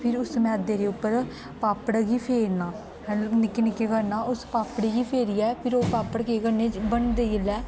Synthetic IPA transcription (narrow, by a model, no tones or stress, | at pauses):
pʰɪɾʊsmɛːd̪eːɾeːʊpːəɾ | paːpəɽɡiːpʰeːɾnaː | nɪkːenɪkːeːkəɾnaːʊspaːpɽiːɡiːpʰeːɾiːɛːpʰɪɾoːpaːpːəɽkeːkəɾneːbəɳd̪eːɡɪlɛː